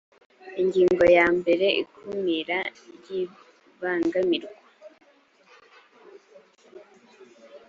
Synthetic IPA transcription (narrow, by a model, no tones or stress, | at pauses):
iɲɟiːŋŋɡo̞jaːmbe̞ɾe̞ʔikʰumŋiɾaɾji | βaːŋɡamiɾɡwwa